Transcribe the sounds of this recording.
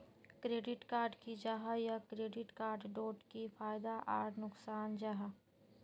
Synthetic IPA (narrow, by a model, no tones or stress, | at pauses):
kɾeːɖɪʈkaːɾɖkid͡ʒaɦajakɾeːɖɪʈkaːɾɖɖoːʈkifʰaːɪd̪aʔa̰ːɾnʊksaːnd͡ʒaɦa